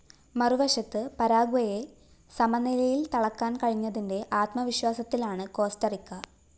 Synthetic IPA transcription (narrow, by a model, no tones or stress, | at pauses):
mɐruʋɐɕɐt̪ːɨpɐɾaːɡuʋɐje̞ | sɐmɐnilɐjilt̪ɐɭɐkːaːnkɐɻiɲːɐðinde̞ʔaːt̪mɐʋiɕwaːsɐt̪ːilaːɳɨko̞ːstɐrikːɐ